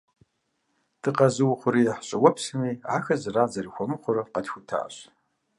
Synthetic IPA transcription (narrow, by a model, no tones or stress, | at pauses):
d̥ɨqɐzɨwʊχʷʊɾiːjɛħɕʼɐwɔpsɨmiːʕaːxɐzɨraːzɐrixʷɔmɨχʷʊɾɐqɐtxʷʊtʰa̰ːɕ